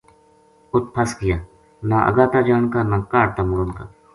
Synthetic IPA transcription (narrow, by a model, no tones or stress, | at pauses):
ʊt̪̚pʰɐskijaː | naʔɐ̰ɡaːt̪ad͡ʒaːnkanakaːɽt̪amʊɽonka